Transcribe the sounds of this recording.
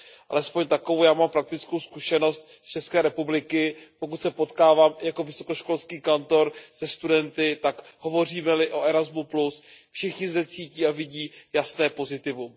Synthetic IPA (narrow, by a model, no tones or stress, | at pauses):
ʔʔa̰lɛspo̞ɲt̪akovowjaːmampɾak̚t̪ɪt͡sko̞wskuʃɛno̞st̪st͡ʃɛskɛːɾɛpublɪkɪpo̞kut̪sɛpo̞t̪kaːvaːmjako̞vɪso̞ko̞ʃko̞lskiːkant̪o̞ɾz̥ɛst̪udɛnt̪ɪt̪akɦo̞vo̞r̝iːmɛlɪʔo̞ʔɛɾazmuplusfʃɪxɲɪzdɛt͡siːciːavɪɟiːjasnɛːpo̞zɪt̪ɪvum